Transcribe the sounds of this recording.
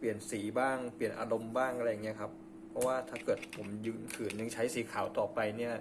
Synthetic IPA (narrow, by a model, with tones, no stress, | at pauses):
pli˨˩ənsiː˩˦baː˥˩ŋpli˨˩ənʔaː˧ɾo˧mbaː˥˩ŋʔa˧a˧ja˨˩ŋːi˦˥ɐ˧kʰa˦˥pʰː | ɾɔ˦˥waː˥˩t̪ʰaː˥˩kɤː˨˩t̪̚pʰo˨˩˦mjɯː˧nkʰɯː˨˩njɯ˧ŋt͡ɕʰa˦˥jsiː˨˦kʰaː˩˦wt̪ɔː˨˩pa˧jni˥˩ɐ